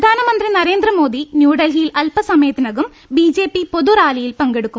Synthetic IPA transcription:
ɐd̪ʱaːnɐmɐnd̪rinɐɾeːnd̪ɾɐmoːd̪injuːɽɐlɦijilɐlpɐsɐmeːt̪nɐɣum | biːd͡ʑeːpipoðuɾaːlijilpɐŋɡeɽukːum

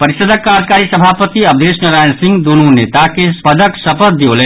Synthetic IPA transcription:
pəɾiʃəd̪ʱəkːaːd͡ʒkaːɾisəbʱapət̪iəb̚d̪esnɐɾajnsɪ̃ŋɡd̪ununet̪akepəd̪əksəpət̪̚d̪iolɛ

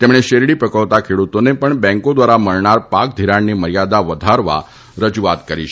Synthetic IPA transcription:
t̪emɳ̃eɕeɾɽipɾəkəʋt̪akʰeɽut̪onepəɳbɛ̃ŋkod̪ʋaɾaməɭɳaɾpak̚d̪ʱiɾaɳːiməɾjad̪aʋəd̪ʱaɾʋa̰ | ɾəd͡ʑuʋat̪kəɾiʃ

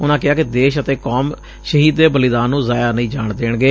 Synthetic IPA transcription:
ʊnãːkɪaːkɪd̪eːʃət̪eːkoːm | ʃəɦiːd̪ːeːbəlɪd̪aːnːũːzaːjaːnəĩːd͡ʒaːɳd̪eːɳɡeː

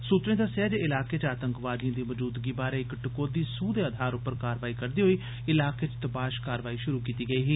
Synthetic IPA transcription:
suːt̪ɾẽːd̪aːsaːd͡ʒeɪlaːkeːt͡ʃaːt̪əŋkʋaːd̪ijãːd̪iːʋəd͡ʒuːd̪ɡiːbaːɾeːɪkʈɪkoːd̪iːsũːd̪eːəd̪ʱaːɾʊpːəɾkaːɾʋaːiːkəɾd̪iːɦoiː | ɪlaːket͡ʃt̪əpaːʃkaːɾʋaːiːʃʊɾuːkiːt̪iːɡəiːɦiː

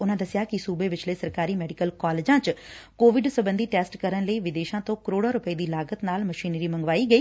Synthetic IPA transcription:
ʊnãːd̪əsɪjakisuːbeʋɪt͡ʃləiːsɐɾkaːɾimɛːɖɪkəlkɔːleːd͡ʒãːt͡ʃkoːʋɪɖsəbə̃nd̪ʱiʈeːsʈkəɾənləiʋɪd̪eːʃãːt̪õːkəɾoːɽaɾʊpəed̪iːlaːɡət̪naːlmɐʃiːnɾiːmɐ̃ŋɡʋaːiɡɐiː

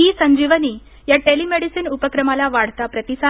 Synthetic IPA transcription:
ɦiːsə̃ɲd͡ʑiʋəniː | jaʈelimeɽisinupəkɾəmalaʋaɽ̤t̪apɾət̪isa

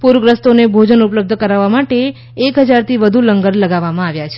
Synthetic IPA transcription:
puɾəɡɾəst̪onebʱod͡ʒənupləb̚d̪ʱəkəɾaʋːamaʈeː | kɦəd͡ʒaɾt̪ʰiʋəd̪ʱuləŋɡəɾləɡaʋːamãaʋjat͡ʃʰe

